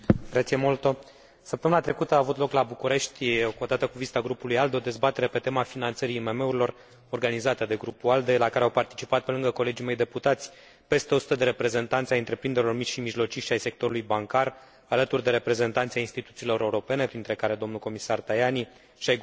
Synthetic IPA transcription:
ɡɾat̪siemolt̪o̞ | səpt̪əmɨnat̪ɾe̞kut̪əaːvut̪lo̞klabukuɾe̞ʃt̪ʲkod̪at̪əkuvist̪aɡɾupulujald̪eo̞d̪e̞zbat̪e̞ɾe̞pe̞t̪e̞mafinant̪səɾiːme̞me̞uɾilo̞r | orɡanizat̪əd̪e̞ɡɾupuald̪e̞lakaɾeawpart̪i̥t͡ʃipat̪̚pe̞lɨŋɡəko̞le̞d͡ʒimejd̪e̞put̪at̪sʲ | pe̞st̪e̞o̞su̥t̪əd̪e̞ɾe̞pɾe̞ze̞nt̪ant̪sʲaɨnt̪ɾe̞pɾind̪eɾilo̞rmit͡ʃʃimiʒlo̞t͡ʃiʃt̪ʲajse̞k̚t̪o̞ɾulujbaŋkar | alət̪urʲd̪e̞ɾe̞pɾe̞ze̞nt̪ant̪siainst̪it̪ut̪silo̞ɾʔe̞uɾo̞pe̞ne̞pɾint̪ɾe̞kaɾe̞d̪o̞mnulko̞misart̪ajani | ʃiaj

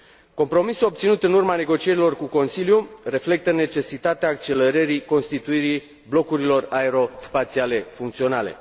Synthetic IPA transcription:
ko̞mpɾo̞misuo̞b̚t̪sinut̪ɨnurmane̞ɡo̞t͡ʃie̞ɾilo̞rkuko̞nsiljure̞fle̞k̚t̪əne̞t͡ʃe̞sit̪at̪eaːk̚t͡ʃe̞le̞ɾəɾiko̞nst̪it̪uiɾi | blo̞kuɾilo̞raeɾo̞spat̪siale̞fuŋkt̪sio̞nale̞̰

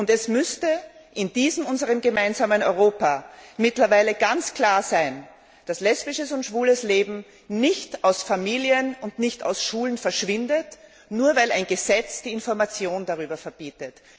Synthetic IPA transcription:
ʊntɛsmʏstəʔɪnd̥iːzəmʊnzəʁəmɡəmaɪnzaːmənɔʏʁoːpamɪtlɐvaɪləɡ̥ant͡skʰl̥aːɐzaɪn | d̥aslɛspɪʃəsʊntʃv̥uːləsleːbm̩ | nɪçtaʊsfamiːliənʊndnɪçta̰ʊsʃuːlənfɛɐʃv̥ɪndət | nuːɐvaɪlaɪnɡəzɛt͡sd̥iːɪnfɔɐmat͡sjoːndaʁyːbɐfɛɐb̥iːtət

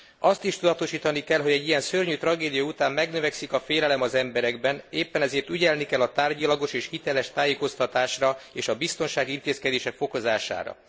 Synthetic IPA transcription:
ɒst̪iʃt̪ud̪ɒt̪o̞ʃiːt̪ɒnikɛlɦo̞ɟɛɟːijɛnsørɲyt̪rɒɡeːd̪ijɒut̪aːmːɛɡnøvɛksikɒfeːlɛlɛmɒzɛmbɛɾɛɡbɛneːpːɛnɛzeːrt̪yɟɛlnikɛlːɒt̪aːrɟɒlɒɡo̞ʃeːʃhit̪ɛlɛʃt̪aːjeːko̞st̪ɒt̪aːʃrɒeːʃɒbist̪o̞nʃaːɡiint̪eːskɛd̪eːʃɛkfo̞ko̞zaːʃa̰ːɾɒ̰

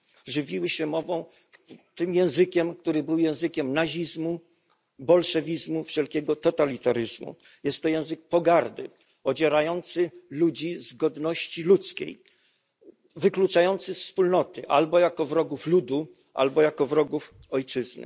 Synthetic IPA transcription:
ʐɘvʲiwɘɕɛmɔvɔ̃w̃ | t̪ɘmjɛ̃w̃zɘkʲɛmk̚t̪uɾɘbɘwjɛ̃w̃zɘkʲɛmnaʑizmu | bɔlʂɛvʲizmufʂɛlkʲɛɡɔt̪ɔt̪alʲit̪aɾɘzmṵ | jɛst̪ːɔjɛ̃w̃zɘk̚pɔɡaɾd̪ɘ | ɔd͡ʑɛɾajɔnt̪sɘlud͡ʑizɡɔd̪nɔɕt͡ɕilut̪skʲḛj | vɘklut͡ʂajɔnt̪sɘfspulnɔt̪ɘʔa̰lbɔjakɔvɾɔɡuflud̪u | ʔa̰lbɔjakɔvɾɔɡuf | ɔjt͡ʂɘznɘ̰

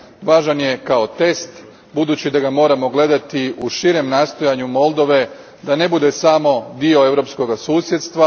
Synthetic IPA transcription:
ʋaːʒanje̞kao̞t̪e̞st̪ | bud̪uːt͡ɕid̪aɡamo̞ːɾamo̞ɡle̞d̪at̪iuʃiɾe̞mnaːst̪o̞jaɲumo̞lˠd̪o̞ʋe̞ | d̪ane̞bud̪e̞samo̞d̪io̞e̞ʋɾopsko̞ɡasuːsjet̪st̪ʋa

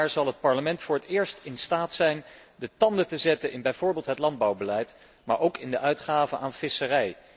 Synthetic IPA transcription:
ɹzɑlˠɦət̚pɑɹləmɛntfʊːɹətɪːɹstɪnstaːtsɛjn | dətɑndətəzɛtənɪnbɛjv̥ʊːɹbɪːlˠtɦətlɑnd̚bɑwbəlɛjt | maːɹʔowkɪndəʔœɥtχaːvənʔaːnfɪsərɛj

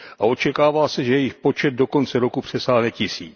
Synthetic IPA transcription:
ʔao̞t͡ʃɛkaːvaːsɛʒɛjɛjɪxpo̞t͡ʃɛd̪̚do̞ko̞nt͡sɛɾokupr̝̥ɛsaːɦnɛcɪsiːt͡s

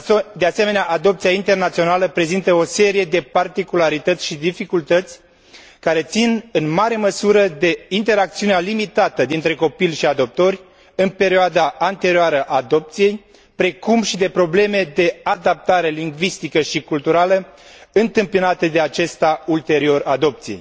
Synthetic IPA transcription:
d̪e̞ase̞me̞neaʔad̪o̞p̚t̪siaint̪e̞rnat̪sio̞naləpɾe̞zint̪əo̞se̞ɾije̞d̪e̞part̪ikulaɾit̪ət̪sʲʃid̪ifikult̪ət̪sʲ | kaɾe̞t̪sinɨnmaɾe̞məsuɾəd̪e̞int̪e̞ɾak̚t̪siunealimit̪at̪əd̪int̪ɾe̞ko̞pilʲʃiad̪o̞p̚t̪o̞rʲ | ɨnpe̞ɾioad̪aant̪e̞ɾioaɾəʔad̪o̞p̚t̪sije̞j | pɾe̞kumʃid̪e̞pɾo̞ble̞me̞d̪e̞ad̪ap̚t̪aɾe̞liŋɡvist̪ikəʃikult̪uɾaləɨnt̪ɨmpinat̪əd̪e̞at͡ʃe̞st̪ault̪e̞ɾio̞rad̪o̞p̚t̪sijej

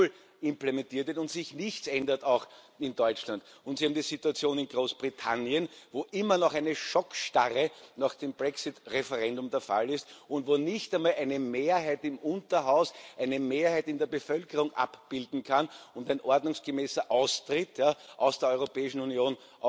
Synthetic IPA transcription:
l | ɪ̃mplemɛntiːɐtvɪɐtʊ̃ntsɪçnɪçtsɛndɐtɑʊx | ɪndɔʏt͡ʃlantʊntsihaːmdiːzituat͡sjoːnɪnɡʁoːsb̥ʁitʰanjənvoːʔɪmɐnɔχæɪnəʃɔkʃtaʁənaːχd̥eːmbʁɛksɪtʁefɛʁɛ̃ndʊmdeːɐfa̰lɪstʊntvoːnɪçtæɪmaːlʔæɪnəmeːɐɦæɪtɪmʔʊ̃ntɐɦaʊsʔæɪnəmeːɐhæɪtɪndeɐbəfœlkəʁʊŋʔa̰pb̥ɪldn̩kʰanʊntæɪ̃nʔɔɐdnʊŋsɡ̥əmɛːsɐʔaʊstʁ̥ɪtjaːʔɑʊsd̥eːɐɔʏʁopɛːɪʃn̩unjoːn | ʔ

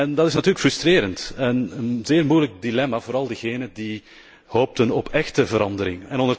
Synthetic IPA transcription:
ɛndɑtɪsnɑtyːɾəkfrʏstreːɾəntənənzɪːrmujlək̚dilɛmavoːɾɑlˠdəɣeːnədi | hoːp̚tənɔpʰɛxtəvəɾɑndəɾɪŋɛnɔndər

